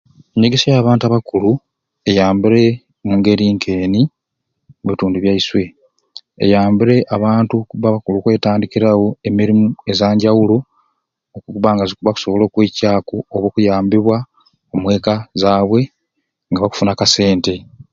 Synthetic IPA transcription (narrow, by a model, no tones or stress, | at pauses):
eɲːeɡesijaːβaːntuaβakulu | e̞jaːmbiɾe̞ | muːŋɡe̞ɾiːŋkʰe̞ːni | eβituːnduβjaiswe̞ | ḛjaːmbiɾe̞ʔaβaːntukuβaβakulukwe̞ːtaːndikiɾawo̞e̞miɾimue̞zaːɲɟawulo | okuuβaŋɡazikuβaku̥so̞βolo̞ːkweːcaːkooβoːkujaːmbiβwa | omwe̞ːkazaːβwe̞ | ŋɡaβaku̥funakase̞ːnte̞